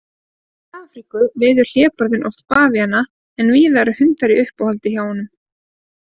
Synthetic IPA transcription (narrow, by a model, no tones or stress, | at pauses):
aːfɾikʏvɪːðʏɾ̥l̥jɛːpɔɾðɪnʔɔ̰wft̪paːvianːa | ɛnviːðaɾʏhʏnt̪aɾiʔʏhpahɔlt̪ɪçjaːwɔnʏm